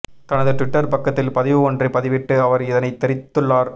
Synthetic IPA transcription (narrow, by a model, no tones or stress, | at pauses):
t̪ɐnɐðɯʈʋɪʈːɐɾpɐkːɐt̪ːɪlpɐðɪʋɯɔndrɐɪpɐðɪʋɪʈːɯɐʋɐɾɪðɐnɐɪt̪ːɛɾɪt̪ːɯɭːaːɾ